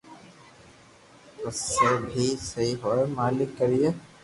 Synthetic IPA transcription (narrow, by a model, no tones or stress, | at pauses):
əsːebʱisɐiɦoemaːlɪkːəɾije